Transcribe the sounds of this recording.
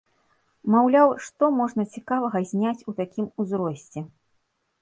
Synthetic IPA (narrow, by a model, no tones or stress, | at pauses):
mawlʲawʂt̪ɔmɔʐnɐt͡sʲikavɐɣɐzʲnʲat͡sʲut̪akʲimuzɾɔsʲt͡sʲɛ